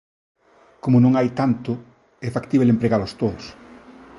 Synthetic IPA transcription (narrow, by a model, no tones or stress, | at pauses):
komʊnõŋajt̪ant̪ʊ | ɛfakt̪iβelẽmpɾeɣalʊst̪oðʊs